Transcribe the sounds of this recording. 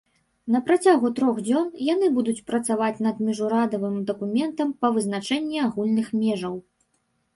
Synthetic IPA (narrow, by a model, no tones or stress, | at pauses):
nɐpɾat͡sʲaɣut̪ɾɔɣd͡zʲɔnjan̪ɨbud̪ut͡sʲpɾɐt̪savat͡sʲnɐd̪mʲiʐuɾad̪ɐvɨmd̪ɐkumʲɛnt̪ɐmpɐvɨznat͡ʂɛnʲːiaɣulʲnɨxmʲɛʐɐw